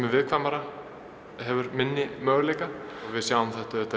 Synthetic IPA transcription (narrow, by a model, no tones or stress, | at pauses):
mɪvɪðkʰvamaɾa | ɦɛvʏɾmɪnːɪmœːɣlejkavɪðsjaːwʏmθɛht̪aɛt̪ːa